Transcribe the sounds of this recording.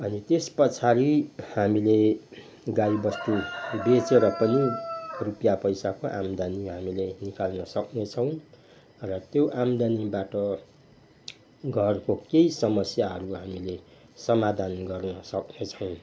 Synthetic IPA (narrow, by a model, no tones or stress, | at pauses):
ʌnit̪espʌt͡sʰaɾihamile | ɡaibʌst̪ubet͡seɾʌpʌnirupjapʌjsakoʔamd̪aniɦamilenikalnʌsʌknet͡sʰʌw̃ | rʌt̪joʔamd̪anibaʈʌ | ɡʱʌrkokejsʌmʌsjaɦʌɾuɦamile | sʌmad̪ʱanɡʌrnʌsʌknet͡sʰʌw̃